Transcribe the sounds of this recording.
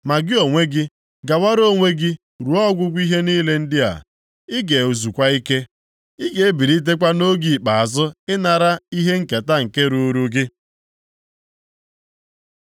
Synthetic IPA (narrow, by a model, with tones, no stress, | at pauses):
ma˨ɡɪ˦o˨ŋʷe˦ɡɪ˦ | ɡa˨wa˦ɾo˦˨ŋʷe˦ɡɪ˦ | ɾu˨ɔ˦ɡʷʊ˦ɡʷi˦ɦe˦niː˦le˦n̩˦dɪ˦a̰˨ | ɪ˦ɡe˨u˨zu˨kʷa˦i˦ke˦ | i˦ɡe˨e˦bi˨ɾi˦t̬e˦kʷa˦no˦ɡi˨k͡pa˨a˨zʊ˦ɪ˦na˨ɾa˦i˦ɦe˦ŋ̩˨ke˨ta˦ŋ̩˨ke˦ɾu˦ɾu˦ɡɪ˦